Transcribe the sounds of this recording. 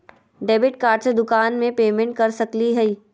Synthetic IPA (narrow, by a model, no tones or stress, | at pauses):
ɖeːbɪʈkaːɾɖsed̪ʊkaːnmẽpeːmẽɳʈ̚kɐɾsɐkliɦɛiː